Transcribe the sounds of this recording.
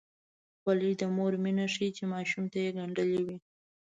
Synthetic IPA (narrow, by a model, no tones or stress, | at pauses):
xwalid̪əmoɾminaʂit͡ʃemɑʃumt̪ajeɡaɳɖəliwi